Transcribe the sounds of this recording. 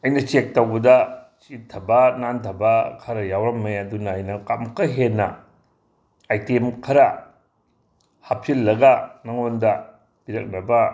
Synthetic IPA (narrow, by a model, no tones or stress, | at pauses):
ɐjnɐt͡ʃek̚tɐwbɐdɐt͡ʃitʰɐbɐnantʰɐbɐkʰɐɾɐjawɾɐmːɐjaɐdunɐːjnɐkamkɐɦenːɐ̰ | ajtemkʰɐɾɐ | hapʰilːɐɡɐnaŋondɐ | biɾɐk̚nɐbɐ